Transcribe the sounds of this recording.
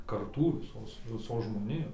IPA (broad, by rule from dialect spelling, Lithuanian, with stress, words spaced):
kɐrˈtuː ʋʲɪˈsoːs ʋʲɪˈsoːs ʒmoːˈnʲɪjoːs